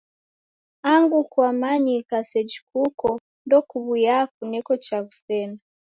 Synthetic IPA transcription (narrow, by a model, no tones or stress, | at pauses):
aŋɡukwamaɲikasɛd͡ʒi̥kukɔ | ndɔkuβujak̚unɛkɔt͡ʃakufɛna